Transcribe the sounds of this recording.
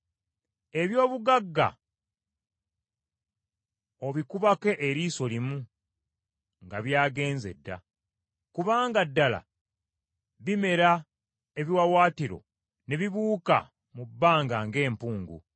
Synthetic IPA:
e̞βjo̞ːβuɡaɡːa̰ | o̞βikuβake̞ʔːɾiːso̞limu | ŋɡaβjaːɡe̞ːnze̞̰dːa̰ | kuβaːŋɡadːala̰ | βime̞ɾa | eβiwawaːtiɾo̞̰ | ne̞βiβuːka̰ | mubːaːŋɡaŋɡe̞ːmpuːŋɡṵ

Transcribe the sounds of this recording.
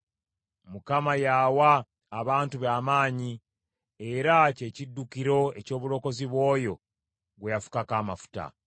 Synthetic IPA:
mukamajaːwaː | βaːntuβaːmaːɲi | e̞ɾace̞ːcidːukiɾo̞e̞co̞ːβulo̞ko̞ziβwo̞ːjo̞ | ɡwejafu̥kakaːmafu̥ta̰

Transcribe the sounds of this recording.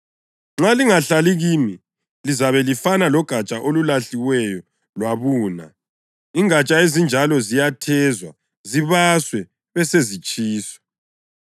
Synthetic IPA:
ŋ͡ǁaliŋaɬaliɣimi | lizaβɛlifanalɔɡ̥ʱat͡ʃʼaʔolulaɬiwɛjɔ | lwaβuːna̰ | iŋat͡ʃʼaezind͡ʒʱalɔzijatʰɛzwa̰ | ziβaswɛ | βɛsezit͡ʃʼiːsɔ̥

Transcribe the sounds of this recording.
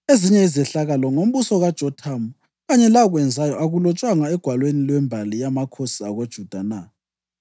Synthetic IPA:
eziɲɛizɛɬaɣalɔŋom̩βusɔɣad̥ʒ̥ʱɔtʰamu | ɣaɲɛlaɣwɛnd͡zʱajɔaɣulɔt͡ʃʼwaŋaɛɡ̥ʱwalwenilwɛmbʱalijamakʰosiaɣod̥ʒ̥ʱud̥ʱana

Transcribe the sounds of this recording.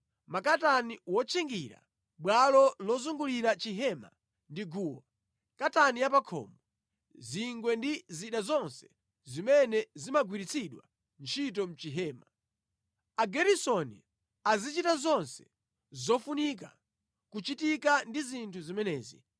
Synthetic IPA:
makataniwɔt͡ʃʰiŋɡiɾa̰ | ɓwalɔlɔzuŋɡuliɾat͡ʃiɦɛma̰ | ndiɡuːwa | katanijapakʰɔ̰ːmɔ | ziŋɡwɛndiziɗazɔnsɛ̥ | zimɛnɛzimaɡwiɾit͡sʰiɗwa̰ | nt͡ʃʰit̬ɔm̩t͡ʃiɦɛːma | aɡɛɾisɔnḭ | azit͡ʃitazɔnsɛ̥ | zɔfunik̬a̰ | kut͡ʃitikandizintʰuzimɛnɛːzḭ

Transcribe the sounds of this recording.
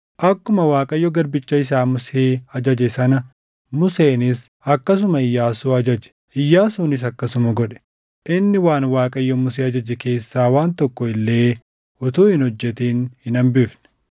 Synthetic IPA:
ʔɐkːʊmɐwaːkʼɐjːɔɡɐɾbɪt͡ʃːɐɪs̬aːmʊseːɐd͡ʒɐd͡ʒɛsɐnɐ | mʊseːnɪs | ɐkːɐs̬ʊmɐɪjːaːsuːɐd͡ʒɐd͡ʒɛ̥ | ʔɪjːaːsuːnɪs̬ɐkːɐsʊmɐɡɔᶑɛ̥ | ʔɪnːɪwaːnwaːkʼɐjːɔmʊs̬eːɐd͡ʒɐd͡ʒɛke̞ːsːaːwaːnt̪ɔkːɔɪlːe̞ː | ʊt̪uːhɪnhɔd͡ʒːɛt̪iːnhɪnɐmbɪfnɛ̥

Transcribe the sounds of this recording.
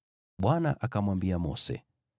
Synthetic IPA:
ɓwana̰ʔakamwambiamɔ̰sɛ̰

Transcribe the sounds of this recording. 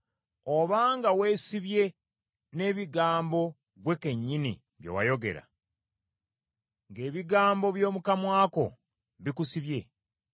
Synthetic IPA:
oβaːŋɡawe̞ːsiβje̞ | ne̞ːβiɡaːmbo̞ | βwe̞ke̞ɲːinḭ | βjḛwajo̞ɡe̞̰ɾa̰ | ŋɡe̞ːβiɡaːmbo̞βjo̞ːmukamwaːko̞̰ | βikusiβje̞

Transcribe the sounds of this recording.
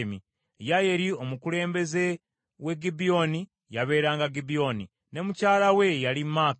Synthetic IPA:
mi | jajeɾio̞mukuɾe̞ːmbe̞ze̞ | we̞ɡibio̞ni | jaβe̞ːɾaːŋɡaɡibio̞ni | ne̞mucaːlawe̞jalimaːk

